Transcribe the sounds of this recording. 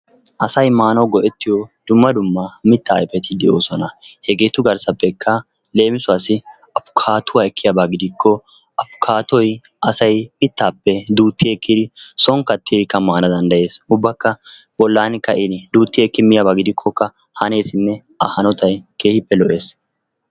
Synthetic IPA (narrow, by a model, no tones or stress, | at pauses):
ʔɐsɐjmaːnɐwɡɔʔɛt̪ːɪjɔd̪ʊmːɐd̪ʊmːɐmɪt̪ːaːɛpɛt̪ɪd̪ɛʔo̰ːsɔnɐhɛɡeːt̪ʊɡɐɾsɐpːɛkʰːɐ | le̞ːmɪsʊaːsɪ | ɐfʊ̥kʰaːt̪ʊwaːɛkːɪjabaɡɪd̪ɪkʰːɔ | ɐfʊ̥kʰaːt̪ɔj | ɐsɐjmɪt̪ːaːpːɛd̪uːt̪ːɪjeːkːɪd̪ɪsɔŋkɐt̪ːɪdɪkːɐmaːnɐd̪ɐnd̪ɐje̞ːsʊbːɐkːɐ | bɔlːaːnɪkːɐʔɪnɪd̪uːt̪ːɪjɛkːɪmɪjabaɡɪd̪ɪkʰːɔkːɐ | hɐne̞ːsɪnːɛ | ɐhɐnɔt̪ɐjkeːhɪpːɛlɔʔe̞ːs